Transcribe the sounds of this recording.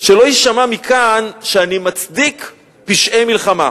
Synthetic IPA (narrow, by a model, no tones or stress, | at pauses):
ʃelo̞jiʃamamikʰanʃeanimat͡sdik | piʃʔejmilχama̰